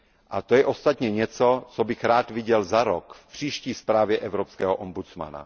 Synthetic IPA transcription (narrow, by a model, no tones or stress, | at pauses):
ʔat̪ojɛʔo̞st̪at̪ɲɛɲɛt͡so̞t͡sobɪxɾaːt̪vɪɟɛlzaɾokfpr̝̥iːʃciːspɾaːvjɛʔɛvɾopskɛːɦoʔombut͡sma̰na̰